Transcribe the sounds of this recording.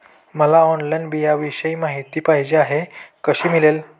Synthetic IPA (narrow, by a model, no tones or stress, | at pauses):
məlaɔnlajnbʱijaʋiɕəimaɦit̪iːpaɦid͡ʑeaɦekəɕiːmilel